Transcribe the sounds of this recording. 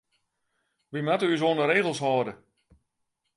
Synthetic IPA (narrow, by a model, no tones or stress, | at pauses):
ʋimatəys̬oəndəreːɣəlˠshɔːdə